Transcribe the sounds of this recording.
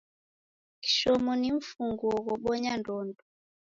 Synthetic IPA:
ki̥ʃɔmɔniɱ̩fuŋɡuɔɣɔɓɔɲandɔndɔ

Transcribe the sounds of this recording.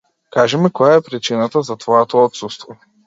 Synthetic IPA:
kaʒɛmɛkɔjaɛpɾit͡ʃinat̪azat̪vɔjɛt̪ɔɔt̪sust̪vɔ

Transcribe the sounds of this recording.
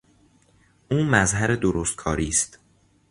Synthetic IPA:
ʔuːmæzɦæɾed̪oɾoːst̪̚kʰɒ̰ːɾiːst̪

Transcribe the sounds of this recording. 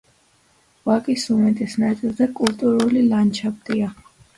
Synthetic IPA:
vakʼisumɛt̪ʼɛsnat̪ʼad̪akʼult̪ʼuɾɔlilant͡ʃʰapt̪ʼia

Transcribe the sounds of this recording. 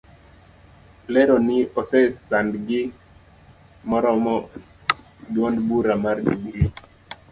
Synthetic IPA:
lɛɾɔnɪɔsɛst͡sandɡɪ | mɔɾɔmɔ | dwɔndbuɾamardiɡɾi

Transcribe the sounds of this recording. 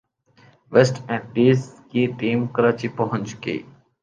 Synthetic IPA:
ʋesʈɛ̃ːɖiːskiːɖiːmkəɾaːt͡ʃipəɦʊ̃ɲt͡ʃkḛː

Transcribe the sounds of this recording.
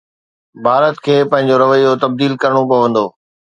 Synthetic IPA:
bʱaːɾət̪kʰeːpɐ̃ɦɪ̃ɲ̆d͡ʑoɾɐʋəjːot̪ɐb̚d̪iːlkɐɾɽ̃opɐʋə̃nd̪oː

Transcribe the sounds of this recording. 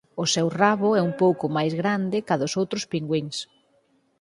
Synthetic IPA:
ʊsɛwraβʊɛumpowkʊmajzɣɾand̪ɪkaðʊsowt̪ɾʊspiŋɡwiŋs

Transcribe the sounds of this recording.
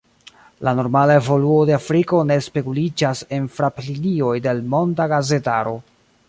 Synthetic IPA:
lano̞ɾmalae̞vo̞luo̞de̞afɾiko̞ne̞spe̞kulid͡ʒase̞nfɾaplinio̞jde̞lmo̞ndaɡaze̞taɾo̞

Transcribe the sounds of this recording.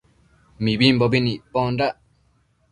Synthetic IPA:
mibimbɔbiniʔpɔnɖaʔ

